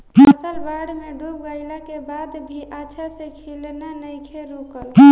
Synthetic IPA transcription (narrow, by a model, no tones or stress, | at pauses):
əsəlbaɽmeɖʱup̚ɡaɪlakebad̪bʱiʔaːʃʰasekʰilnanəjkʰeɾukəl